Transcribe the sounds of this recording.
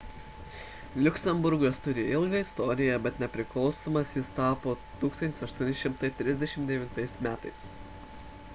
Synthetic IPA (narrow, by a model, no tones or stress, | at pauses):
lʲʊksʲɛmbʊɾɡost̪ʊɾʲɪɪlˠɡɐɪst̪ɔɾʲɪjɛbʲɛt̪nʲɛpʲɾʲɪklˠɒʊsoːmɐsjɪst̪ɑːpoː | t̪uːksɐntʲɪsɐʃt̪uɔnʲɪʃʲɪmt̪ɐɪt̪ʲɾʲɪzʲd̪ʲɛʃʲɪmt̪d̪ʲɛʋʲɪnt̪ɐɪsmʲæːt̪ɐɪs